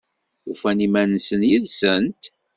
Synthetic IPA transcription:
ufænimænsənjiðsənt̪

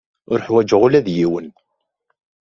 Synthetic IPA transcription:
ʊɾħwæd͡ʒəʁʊlæðjiwən

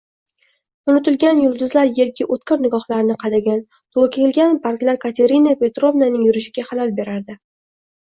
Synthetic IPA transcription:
ʊnɪt̪ɪlɡʲanjʊld̪ʊzlaɾje̞ɾɡʲɪʔot̪kʰʲɪɾnɪɡɒχlaɾnɪqʰɑd̪aɡʲan | t̪ʰolkʲʰeɪlɡʲanpʰaɾklaɾkʰat̪ʰe̞ɾɪnape̞t̪ɾo̞vnanɪŋjʊɾɪʃɪɡʲaχalalbe̞ɾaɾd̪ɪ

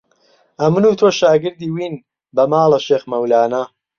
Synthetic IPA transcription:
ʔɐmɨnuːt̪ʰoːʃaːɡɨɾd̪iːwiːn | bɐmaːlˠɐʃeːxmɐwlaːnɐ

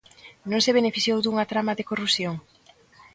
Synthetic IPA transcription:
nõŋseβ̞enefiθjowd̪uŋat̪ɾamaðekorusjoŋ

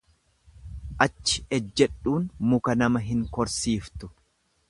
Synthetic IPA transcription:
ʔɐt͡ʃːɪɛd͡ʒːɛᶑuːnmʊkɐnɐmɐɦɪŋkɔɾsiːft̪ʊ

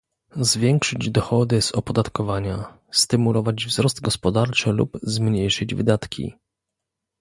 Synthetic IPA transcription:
zvʲjɛŋkʂɘd͡ʑd̪ɔxɔd̪ɘz̥ɔpɔd̪at̪kɔvaɲa | st̪ɘmulɔvad͡ʑvzɾɔsd̪̚ɡɔspɔd̪aɾt͡ʂɘlṵbzmɲejʂɘd͡ʑvɘ̰d̪at̪kʲʰḭ

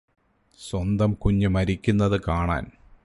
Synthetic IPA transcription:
swɐnd̪ɐmkuɲːumɐɾikʲːunːɐðɨkaːɳa̰ːn

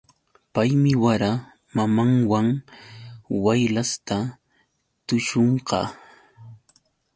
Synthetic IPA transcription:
pajmɪwaɾa | mamaŋwaŋ | wajlast̪a | t̪ʊʃoɴqɑ̰

